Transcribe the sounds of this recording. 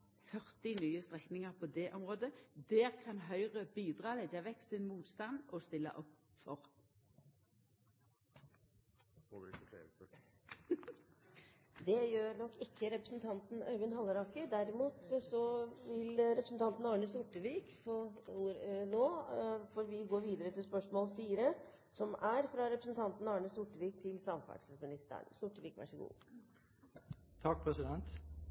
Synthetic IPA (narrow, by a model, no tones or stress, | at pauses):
fœʁt̪ɪnyːəst̪ʁɛknɪŋəʁpʰɔd̪ɛʔɔmʁoːd̪əd̪ɛːʁkʰɑnɦœʏʁəbiːd̪ʁɑːlɛɟɑʋɛksɪnmuːt̪st̪ɑnd̪ɔst̪ɪlːə̰ʔɔpfɔʁ | d̪ɛjøːɾɳɔkːɪkʰːəɾɛpɾəsnt̪ʰɑnt̪n̩œɡənhɑlːəɾɑkəd̪æɾɪmuːt̪sɔʋɪlɾɛpɾəsn̩t̪ɑnt̪n̩ɑːɳəsʊʈːəʋiːkfɔ | noːfɔɾʋɪɡoːʋiːd̪əɾət̪ʰɪlspœʂmoːlfiːɾə | sɔmæɾfɾɑɾɛpɾəsn̩t̪ʰɑnt̪n̩ɑːɳəsʊʈːəʋiːk̚t̪ʰɪlsɑmfɑ̰ʈsəsmɪnɪst̪æ̰ɳsʊʈːəʋiːkʋæ̰ʂɔɡṵː | t̪ʰɑk̚ːpʰɾɛsɪd̪ɛnt̪